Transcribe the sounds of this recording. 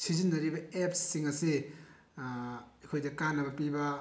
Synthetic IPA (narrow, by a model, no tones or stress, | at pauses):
sizinːɐɾibɐep̚sːiŋɐsi | ɐjkʰojdɐkanːɐβɐpibɐ